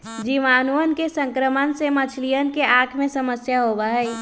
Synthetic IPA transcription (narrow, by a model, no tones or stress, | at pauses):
d͡ʒiʋaːnuənkesə̃ŋkɾəmənsemət͡ʃʰlijənkeʔaːkʰmẽsəməsjaɦobaɦɛi